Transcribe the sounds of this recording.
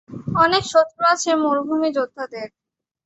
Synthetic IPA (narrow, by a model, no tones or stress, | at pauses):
ɔnekʃot̪ɾoat͡ɕʰemoɾbʱumid͡ʑod̪ʱːad̪eɾ